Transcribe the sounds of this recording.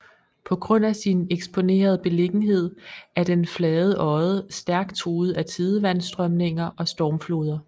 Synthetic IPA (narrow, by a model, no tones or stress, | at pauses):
pʰɒ̽ɡ̥ʁɔ̽n̰æsineɡ̥sb̥ʰo̝ne̝̰ːɐð̞ˠəb̥e̝le̝ɡ̥n̩ɦe̝ð̞̰ˠæɐd̥enflɛːðˠəʔɒ̽ɪð̩ˠəsd̥æɐɡ̥̚t͡sʰʁuːð̞̩ˠæt͡sʰiðˠəʋænsd̥ʁœmne̝ŋɐʔɒ̽sd̥ɒːmflo̝ːð̞ˠɐ